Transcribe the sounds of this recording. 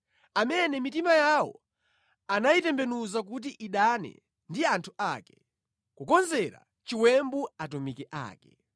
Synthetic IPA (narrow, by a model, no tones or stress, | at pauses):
amɛnɛmitimajawɔ̰ | anajitɛmbɛnuzak̬ut̬iʔiɗanɛ̰ | ndiantʰuʔakɛ | kukɔnzɛɾa̰ | t͡ʃiwɛmbuatumikɛʔa̰ːkɛ